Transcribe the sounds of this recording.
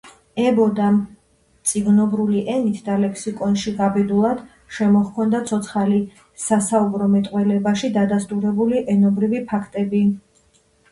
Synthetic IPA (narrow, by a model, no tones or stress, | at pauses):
ɛbɔd̪am | t̪sʼiɡnɔbɾuliʔɛnit̪ʰd̪alɛkʰsikʼɔnʃiɡabɛd̪ulˠad̪̥ | ʃɛmɔχkʰɔnd̪at̪sʰɔt̪sʰχali | sasaubɾɔmɛt̪ʼqʼwɛlɛbaʃid̪ad̪ast̪ʼuɾɛbuliʔɛnɔbɾivipʰakʰt̪ʼɛbi